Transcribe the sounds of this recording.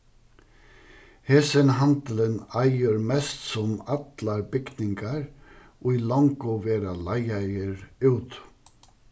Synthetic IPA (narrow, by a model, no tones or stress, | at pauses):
heːsənhɑnd̪l̩ənæɪəɾmɛst̪sɔmɑt̪lɑɾbʏɡnɪŋɡɑɹ | ʔoːiːlɔŋɡoʋeːɾɑlæɪæɪəɹʉːt̪